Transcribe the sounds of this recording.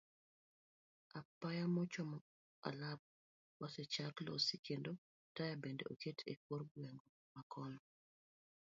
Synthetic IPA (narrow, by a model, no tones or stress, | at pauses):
apajamɔt͡ʃɔmɔ | a̰lap̚ | wasɛt͡ʃaklo̰sikendo | tajabendḛoketʰḛk̚woɾɡwɛŋɡo | makʰɔnɔ